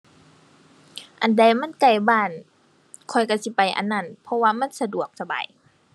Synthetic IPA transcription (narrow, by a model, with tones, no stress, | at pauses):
ʔa˨˩nda˧jma˧˥˨nka˧˩jbaː˧˩˨n | kʰɔ˧˩jka˧˩si˧˦pa˨jʔa̰˨nːa˧˥˨npʰɔ˧waː˧ma˧˥˨nsa˧du˨˩ək̚sa˧ba̰ː˨j